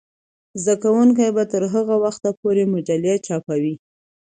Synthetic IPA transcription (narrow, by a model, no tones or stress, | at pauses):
zd̪akawuŋk̬ajbat̪əɾɦəɣawaxt̪apoɾemoʈaljat͡ʃɑpawi